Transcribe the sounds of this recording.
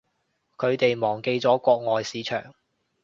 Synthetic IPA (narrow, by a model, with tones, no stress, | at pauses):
kʰɵ˨˧ɥt̪e˨jmɔː˨˩ŋke˧jt͡sɔː˨˥kʷɔː˧k̚ŋɔː˨jsiː˨˥t͡ʃʰœ̰ː˨˩ŋ